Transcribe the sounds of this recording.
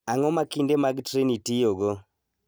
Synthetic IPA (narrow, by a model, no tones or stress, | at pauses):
aŋɔmakindɛmaɡtɾenitiɔɡɔ